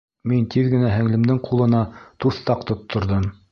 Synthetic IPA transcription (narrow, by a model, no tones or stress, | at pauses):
mint̪iðɡɘ̆næɦɘ̆ŋlɘ̆md̪ɘŋqʰulˠɤ̆nɑt̪uθt̪ɑqt̪ŏt̪ʰːŏɾðɤm